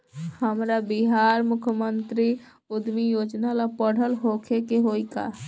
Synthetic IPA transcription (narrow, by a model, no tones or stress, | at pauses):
həmɾabiɦaɾmʊkʰəmənt̪ɾi | ʊd̪mijod͡ʒnalapəɽ̤əlɦokʰekeɦoika̰